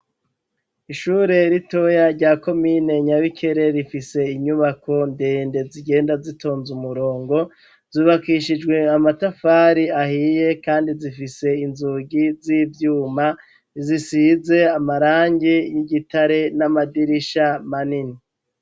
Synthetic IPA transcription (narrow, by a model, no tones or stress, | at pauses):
iʃuːɾe̞ɾito̞jaɾɟaːko̞miːne̞ɲaβikʰe̞ɾe̞ɾifise̞iɲuβakʰo̞ndeːnde̞ziɡe̞ːndazito̞ːnzumuɾo̞ːŋɡo̞ | z̥uːβakiʃid͡ʒɡwe̞amatafaːɾiahije̞kaːndizifise̞inzuɡiziːvjuːma | zisize̞amaɾaːɲɟijiɟitaɾe̞namadiɾiʃamanini